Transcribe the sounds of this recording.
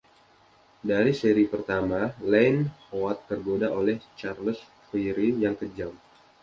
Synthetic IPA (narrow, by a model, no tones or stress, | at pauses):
daɾiseɾipərt̪amalɛnhoat̪ːərɡodaʔolɛht͡ʃarləs | fiɾijaŋkəd͡ʒam